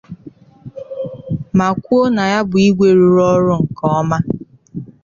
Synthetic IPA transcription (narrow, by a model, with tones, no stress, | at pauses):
ma˨kʷu˦o˦na˨ja˦bʊ˨i˦ɡʷe˨ɾu˨ɾɔ˦ɾʊ˦ŋ̩˨kɔ˦ɔ˦ma˦